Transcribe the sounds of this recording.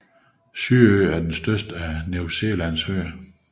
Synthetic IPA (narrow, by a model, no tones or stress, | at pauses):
syɐøːæɐd̥ensd̥ɶɐsd̥əænuʊse̝̰ːlænshø